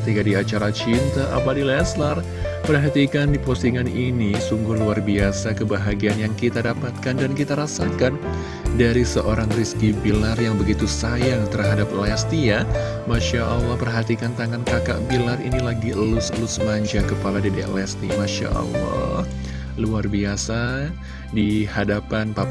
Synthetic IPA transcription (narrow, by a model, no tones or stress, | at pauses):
kət̪ikadiat͡ʃaɾat͡ʃint̪aʔa̰padilɛslar | pərɦat̪ikandiposiŋaninisuŋɡuhluarbiasakəbaɦaɡianjaŋkit̪adapat̪̚kandankit̪aɾasat̪̚kan | daɾisəʔoɾaŋriskibilarjaŋbəɡit̪usajaŋt̪ərɦadap̚əlɛst̪ija | maʃaʔalːɑhpərɦat̪ikant̪aŋankaka̰ʔbilarḭnilaɡilʊslʊsmaɲd͡ʒakəpaladedɛʔlɛst̪ḭmaʃa̰ʔɑ̰lːɑ̰h | luarbiasa | dihadapanpa